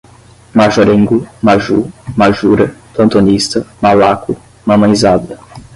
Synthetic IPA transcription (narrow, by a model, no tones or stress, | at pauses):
maʒoɾẽŋɡʊmaʒumaʒuɾɐp̪lɐ̃nt̪onist̪ɐmalakʊ | mɐ̃mɐ̃j̃zad̪ɐ